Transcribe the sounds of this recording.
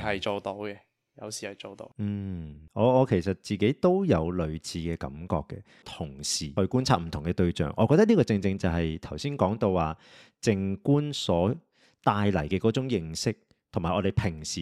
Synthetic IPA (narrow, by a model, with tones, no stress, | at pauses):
hɐ˨jt͡ʃo˨˧wt̪o˨˥wkɛ˧ | jɐ̰˨˧wsiː˨˩hɐ˨jt͡ʃo˨wt̪o̰˨˧˦n̩˨˩ɔː˨˧ɔː˨˧kʰe˨˩jsɐ˨t̚t͡siː˨ke˨˥jt̪o˥wjɐ˨˧wlɵ˨˧ɥt͡sʰiː˨˧kɛː˧kɐ̰˨˥˦mkɔ̰ː˧kːɛ˧ | t̪ʰʊ˨˩ŋsiː˨˩hɵ˧kuː˥nt͡sʰaː˧t̚m̩˨˩t̪ʰʊ˨˩ŋkɛ˧t̪ɵ˧ɥt͡ʃœ̰ː˨˩ŋʔɔː˨˧kɔː˧t̪ɐ˥tliː˥kɔː˧t͡sɪ˧ŋt͡sɪ˧ŋt͡sɐ˨wɦɐ˨jt̪ʰɐ˨˩wsiː˥nkɔː˨˥ŋt̪o˧wwaː˨˩ | t͡sɪ˧ŋkuː˥nsɔː˨˥ | t̪aː˧jlɐ˨˩jkɛː˧kɔː˨˥t͡sʊ˨˥ŋjɪ˧ŋsɪ˥k̚ | t̪ʰʊ˨˩maː˨˩ʔɔː˨˧ɾe˨˩jpʰɪ˨˩ŋsiː˨